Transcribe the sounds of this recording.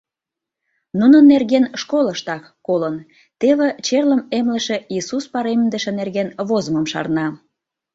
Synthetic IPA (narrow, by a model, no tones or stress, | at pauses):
nunənːerɣenʃkoləʃt̪ɑk | kolən | t̪eβĕt͡ɕerləmemlə̆ʃe̽isuspɑɾemd̪ə̆ʃĕnerɣenβozəməmʃɑ̰rnɑ